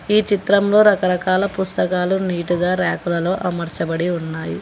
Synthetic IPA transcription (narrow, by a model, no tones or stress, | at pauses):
iːt͡ʃit̪ɾɐmlo̞ːɾɐkɐɾɐkaːlɐpust̪ɐkaːluniːʈuɡaːɾaːkulɐlo̞ːʔɐmɐɾt͡ʃɐbɐɽiunːaːju